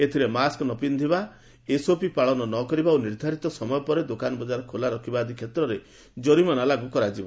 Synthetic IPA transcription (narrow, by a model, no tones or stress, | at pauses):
et̪ʰiɾemaskɔnɔpind̪ʱiba | esopipaɭɔnɔnɔkɔɾibauniɾd̪ʱaɾit̪ɔsɔmɔjɔpɔɾed̪okanɔbɔd͡ʒaɾɔkʰolaɾɔkʰibad̪ʱikʰjet̪ɾɔɾe | d͡ʒɔɾimɔnalaɡukɔɾad͡ʒiba